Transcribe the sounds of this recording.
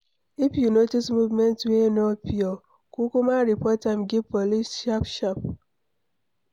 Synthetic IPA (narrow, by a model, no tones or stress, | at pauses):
ipjunotismuvmentwenopiɔ | kukumaɾipɔtam̩ɡepolisʃapʃap̚